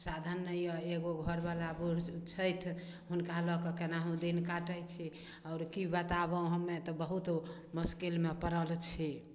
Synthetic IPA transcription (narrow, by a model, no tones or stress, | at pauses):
sad̪ʱənːəijɔeɡoɡʱɔɾbalabuɽt͡ʃʰəjt̪ʰ | ɦunkalɔkɔkenaɦũd̪inkaʈəjt͡ʃʰi | ɔːɾkibat̪aβə̃ɦəmːet̪ɔbəɦut̪ | muskelmepəɾəlt͡ʃʰɛ